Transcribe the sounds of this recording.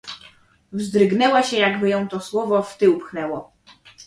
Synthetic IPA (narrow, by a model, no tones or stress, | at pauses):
vzd̪ɾɘɡnɛwaɕɛjaɡbɘjɔ̃w̃t̪ɔswɔvɔft̪ɘupxnɛwɔ